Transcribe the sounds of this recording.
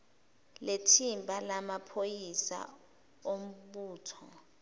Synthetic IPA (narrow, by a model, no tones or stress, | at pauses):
letʰimbʱalamapʰojisa̰ | om̩ɓuːtʰɔ